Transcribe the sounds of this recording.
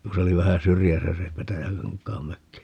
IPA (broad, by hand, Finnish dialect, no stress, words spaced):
ku se oli ʋæhæ syrjæsæ se petæjækɑŋkˑɑːm møkːi